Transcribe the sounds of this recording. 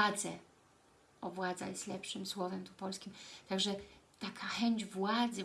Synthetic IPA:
d̪zɛ | ʔɔvwad̪za̰jɛst̪lɛpʂɘmswɔvɛmt̪upɔlskʲimt̪aɡʐɛt̪akʰaxɛɲd͡ʑvwad̪zɘ

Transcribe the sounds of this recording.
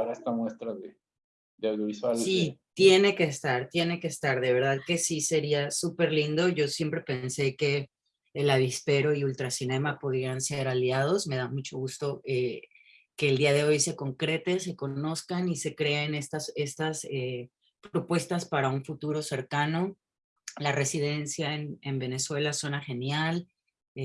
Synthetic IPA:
aɾaest̪amwe̞st̪ɾaðe | d̪eawðjoβiswalsit̪je̞ne̞ke̞ːst̪aɾt̪je̞ne̞ke̞ːst̪aɾðe̞β̞e̞ɾðaðke̞sise̞ɾiasupe̞ɾlind̪o̞ʝo̞sje̞mpɾe̞pe̞nse̞ke̞ː | laβispe̞ɾo̞iult̪ɾasinẽ̞mapoð̞ɾe̞ɾanse̞ɾaljað̞o̞sme̞ð̞amut͡ʃo̞ɣ̞ust̪o̞e | ke̞ːld̪iaðe̞o̞jse̞ko̞ŋkɾe̞t̪e̞se̞ko̞no̞skanise̞kɾe̞ene̞st̪ase̞st̪ase | pɾo̞pwe̞st̪aspaɾauɱfut̪uɾo̞se̞ɾkano̞ | lare̞sið̞e̞nsjae̞nembe̞ne̞swe̞laso̞naxe̞njal

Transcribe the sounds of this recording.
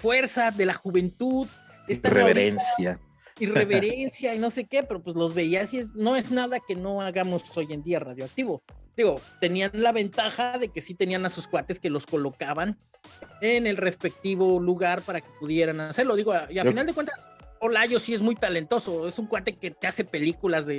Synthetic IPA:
fwe̞ɾsaðe̞laxuβe̞nt̪uð | est̪areβeɾensja | ire̞βeɾe̞nsjaino̞se̞ke̞pe̞ɾopwezlo̞zβe̞iasieznoeznaðake̞no̞aɣamo̞so̞je̞nd̪iaraðjoak̚t̪iβo̞d̪̥iɣo̞t̪e̞nianlaβ̞e̞nt̪axaðe̞ke̞sit̪e̞nianasuskwat̪e̞ske̞lo̞sko̞lo̞kaβan | ene̞lre̞spe̞k̚t̪iβo̞luɣaɾpaɾake̞̥puðje̞ɾanase̞ɾlo̞ðiɣo̞iafinald̪ekwe̞nt̪aso̞laʝo̞sie̞zmujt̪ale̞nt̪o̞so̞e̞suŋkwat̪e̞ket̪ease̞pe̞likulazðe

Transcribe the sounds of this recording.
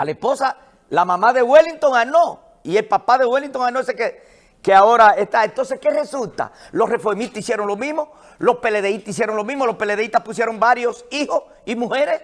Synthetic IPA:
alespo̞sa | lamãmãðeɣweliŋt̪o̞ŋano̞ | ie̞lpapaðeɣwelint̪oŋanoseke | keao̞ɾaest̪aent̪o̞nsehke̞re̞sult̪a̰ | lo̞sre̞foɾmit̪isje̞ɾoŋlo̞mĩɦmo | lo̞spe̞leðeit̪isje̞ɾoŋlomĩɦmo̞lope̞leðeit̪ahpusjeɾo̞mbaɾjosiho̞s | imuheɾes

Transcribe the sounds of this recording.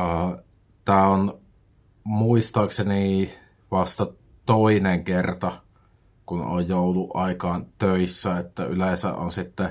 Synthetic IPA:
əː | t̪æːon | muist̪ɑːkseni | ʋɑst̪ɑ | t̪oineŋkert̪ɑ | kuno̰jjoˑuluʔʔɑˑikɑːnt̪øisːæet̪ːæylesæ̰ʔʔo̰nsit̪ːɛ

